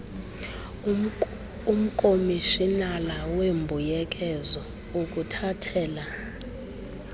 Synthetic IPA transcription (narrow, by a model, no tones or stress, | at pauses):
um̩kʼomiʃinalawembʱujɛk̬ʼɛzɔ | ukʼutʰatʰɛːla